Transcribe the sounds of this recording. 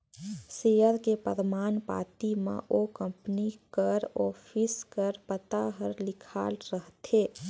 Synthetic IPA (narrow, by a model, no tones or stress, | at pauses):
seːjəɾkepə̰d̪maːnpa̰ːt̪imã̰ʔokə̃mpnikəɾɔːfʰiskəɾpət̪aɦəɾlɪkʰaːlɾəɦt̪eː